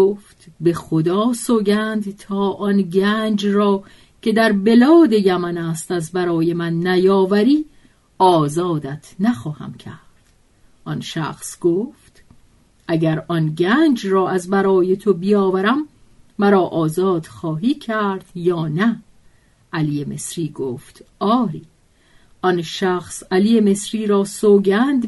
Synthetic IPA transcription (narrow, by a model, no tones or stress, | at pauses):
oft̪be̞xod̪ɒːsoɡænd̪t̪ʰɒːʔɒnɟæːnd͡ʒrɒː | kʰe̞d̪æɾbe̞lɒːd̪e̞jæmænæst̪æzbæɾɒːje̞mænːæjɒːvæɾiː | ɒːzɒːd̪æt̪ʰnæxɒːhæ̰mcʰæ̰ɾd̪̥ | ʔɒnʃæ̰xsɡ̥oft̪ | ʔæɟæɾʔɒnɟænd͡ʒrɒːæzbæɾɒːje̞t̪ʰobijɒːvæɾæmː | æɾɒːʔɒːzɒːd̪̥xɒːɦiːcʰæɾd̪̥jɒːnæ | ʔæliːjeme̞sɾiːɡoːft̪ɒːɾiː | ʔɒnʃæxsæliːjeme̞sɾiːɾɒːsoːɡænd̪